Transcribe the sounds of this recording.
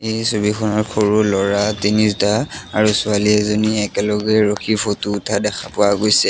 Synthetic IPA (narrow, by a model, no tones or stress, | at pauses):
ejsubikʰɔnɔɹkʰoɹulɔɹatinistaaɹusʊaliɛzoniɛkɛlɔɡɛɹoxʰipʰotuːtʰadɛxʰapʊaɡojsɛ